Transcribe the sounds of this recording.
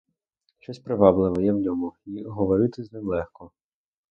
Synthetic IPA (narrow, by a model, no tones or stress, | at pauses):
ʃt͡ʃɔsʲpɾɪʋɑblˠɪʋɛjɛwnʲɔmuiɦɔʋɔɾɪt̪ɪznɪmlˠɛxkɔ